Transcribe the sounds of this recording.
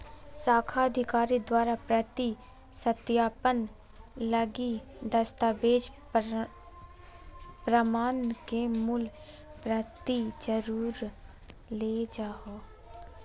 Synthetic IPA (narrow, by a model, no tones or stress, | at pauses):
saːkʰaəd̪ʱɪkaːɾid̪waːɾapɾət̪i | sət̪jaːpən | ləɡi | d̪əst̪abeːd͡ʒ | pɾəmaːnkemʊl | pɾət̪id͡ʒəɾuːɾ | led͡ʒaːɦo